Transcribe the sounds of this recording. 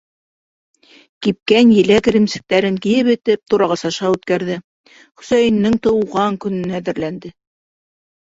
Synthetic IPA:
kip̚kænjɘ̆læk̆ɾɘ̆msɘ̆k̚t̪æɾɘŋkĭjɘpɘ̆t̪ɘp̚t̪uɾɑʁɑsɑʃɑʉt̪kæɾðɘ | χɵ̆sæjɘ̆nːɘŋt̪ɤ̆wʁɑŋkɵ̆nɵ̆næðɘ̆ɾlænd̪ɘ

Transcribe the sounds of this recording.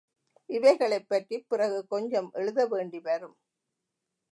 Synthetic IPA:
ʔɪʋɐɪɣɐɭɐɪpːɐʈripːɪrɐɣɯkɔɲd͡ʒɐmʔɛɻɯðɐʋeːɳɖiʋɐɾɯm

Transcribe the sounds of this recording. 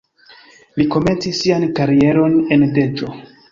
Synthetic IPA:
liko̞me̞nt͡sisːiankaɾie̞ɾo̞ne̞nde̞d͡ʒo̞

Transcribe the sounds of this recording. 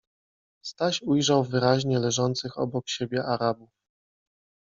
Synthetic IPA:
st̪aɕujʐawvɘɾaʑɲɛlɛʐɔnt̪sɘxɔ̰bɔkɕebʲjɛʔaɾabuf

